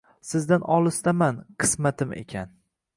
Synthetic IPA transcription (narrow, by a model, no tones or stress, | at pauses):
sɪzd̪anɒlˠɪst̪amanqʰɨ̥smat̪ʰɪmḛkʲʰan